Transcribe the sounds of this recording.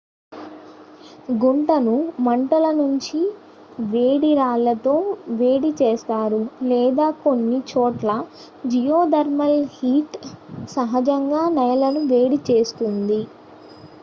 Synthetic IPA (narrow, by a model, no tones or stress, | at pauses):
ɡuɳʈɐnumɐɳʈɐlɐnuɲt͡ʃi | ʋeːɽiɾaːlːɐt̪o̞ːʋe̞ːɽit͡ʃeːst̪aːɾulɛːd̪aːko̞nːit͡ʃoːʈlɐ | d͡ʒijoːd̪ɐɾmɐlhiːʈsɐɦɐd͡ʒɐŋɡaːnɐjɐlɐnuʋe̞ːɽit͡ʃe̞ːst̪und̪i